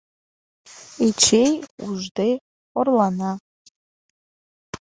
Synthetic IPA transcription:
it͡ʃʰejuʐdej | ɔrlana

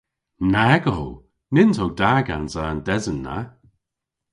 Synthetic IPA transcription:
naɡow | nɪntʰowdaɡanzaːndɛzənːa̰

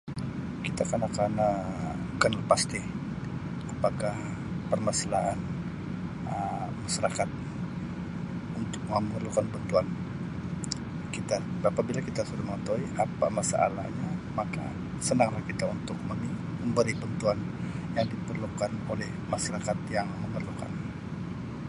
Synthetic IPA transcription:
kit̪akanakanə | kənlpast̪ɪ | apakah | pərmasalaɦan | əmaʃaɾakat̪̚ | unt̪ʊk̚məmərlukanbənt̪uan | kit̪aapabilakit̪asudaməŋət̪oiapa̰masa̰ʔa̰la̰hɲamaka̰ | sənaŋlahkit̪aunt̪ʊk̚məmiməmbəɾɪbənt̪uanjaŋdipərlukanolɛhmasaɾakat̪̚jaŋməmərluka̰n

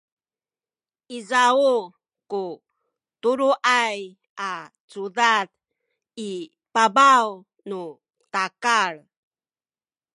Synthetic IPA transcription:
izau | ku | tuɾuʔaj | a | t͡sudat | i | pabaw | nu | takaɭ

